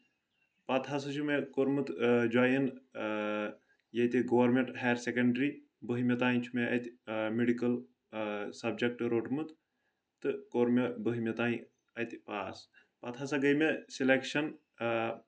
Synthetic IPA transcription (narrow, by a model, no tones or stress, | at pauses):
pɐt̪ʰasɐt͡ʃʰumekoɾmɨt̪d͡ʒaːjin | jɐt̪iɡoʋɐɾmeɳʈheːɾsekɐɳɖɾi | bəɦimet̪aːĩt͡ʃʰumeʔɐt̪ʲmeɖikɐl | sɐb̚d͡ʒek̚ʈɾoːʈmɨt̪ | t̪ɨkoɾmebəɦimet̪aːĩ | ɐt̪ʲpaːs | pɐt̪ʰɐsɐɡɐjmesilekʃɐn